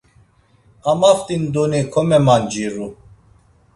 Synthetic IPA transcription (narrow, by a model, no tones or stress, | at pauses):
amaft̪ind̪unikʰɔmɛmand͡ʒiɾu